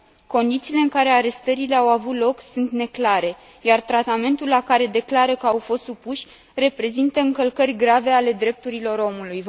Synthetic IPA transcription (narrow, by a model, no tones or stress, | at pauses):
ko̞nd̪it̪siːle̞ɨŋkaɾe̞aɾe̞st̪əɾile̞awavut̪lo̞ksunt̪ne̞klaɾe̞ | jart̪ɾat̪ame̞nt̪ulːakaɾe̞d̪e̞klaɾəkəawfo̞st̪supuʃʲ | re̞pɾe̞zint̪əɨŋkəlkərʲɡɾave̞ale̞d̪ɾe̞p̚t̪uɾilo̞ɾo̞muluj